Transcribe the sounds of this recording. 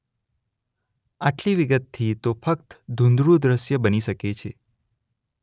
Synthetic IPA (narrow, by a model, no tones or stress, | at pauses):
aʈliʋiɡət̪ʰːit̪ofəkt̪d̪ʱũnd̪ɾud̪ɾəʃjəbəniʃəket͡ʃʰe